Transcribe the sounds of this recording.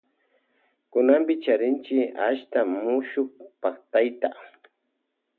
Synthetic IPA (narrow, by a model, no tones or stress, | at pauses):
kʊnambɪt͡ʃaɾɪnt͡ʃɪaʃt̪amʊʃʊkpakt̪ajt̪a̰